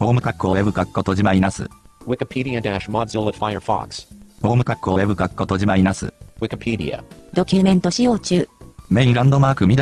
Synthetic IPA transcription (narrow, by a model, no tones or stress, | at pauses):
poːmɯ̟kakːɯowebɯ̟kakɯ̥kːot̪oʑimainasɨ̰wɪkɨpʰiɾiɨdæʃmɑdzɪlˠətfajə̰˞fɑ̰kspo̞ːmɯ̟kakːɯowebɯ̟kakkːot̪oʑimainasɨ̰wɪkəpʰiɾḭɨ̰d̪o̞kʲɨmẽ̞nt̪o̞ɕijo̞ːt͡ɕɨːme̞ɲĩɾãnd̪o̞maːkɯ̟mʲid̪